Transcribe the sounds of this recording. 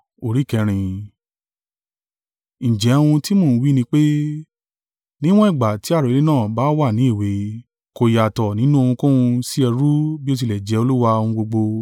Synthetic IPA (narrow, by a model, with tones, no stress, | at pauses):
o˨ɾi˨˦kɛ˧ɾ̃ĩ˧ | ñ̩˨d͡ʒɛ˨˦˧wũ˧ti˦mõ˦˨˦wi˦nĩ˧k͡pe˦ | nĩ˦w̃ɔ̃˦i˦˨ɡ͡ba˨ti˨˦a˦˨ɾo˨le˦nãː˦˨ba˨˦wa˦˨nĩ˨˦i˦˨we˨˦ | ko˧ja˨tɔ˨nĩ˦nũ˦o˧hũ˧kũ˦ũ˧si˦ɛ˧ɾu˦bi˦o˧t̬i˧lɛ˨d͡ʒɛ˨˦o˧lu˦wa˧õ˧ũ˧ɡ͡bo˧ɡ͡bo˧